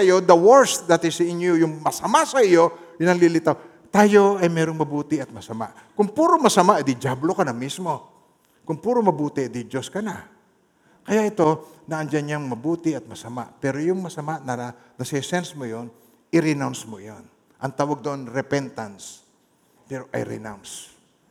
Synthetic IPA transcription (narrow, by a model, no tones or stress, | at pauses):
ɐjod̪ɐwɛɹsd̪ɐt̪ɪsɪnjujʊŋmɐsɐmaʔsɐɪjo̞ | jʊnɐŋlilɪt̪aw | t̪aːjo̞ɐjmɛːɾoŋmɐbuːt̪ɪɐt̪̚mɐsɐma̰ʔ | kʊŋpuːɾomɐsɐmaʔd̪ɪd͡ʒablokɐnɐmismo̞ | kʊŋpuːɾomɐbuːt̪ɪʔd̪ɪd͡ʒoskɐna | kɐjaʔɪt̪o̞nɐʔɐnd͡ʒanɲaŋmɐbuːt̪ɪɐt̪̚mɐsɐma̰ʔpɛɾojʊŋmɐsɐmaʔnɐɾa | nɐsɛsɛnsmojon | ɪɾɪnawnsmojon | ʔɐŋt̪aːwaɡ̚d̪oʔonɾɛpɛnt̪ans | pɛɾoʔɐ̰jɾɪ̰nawns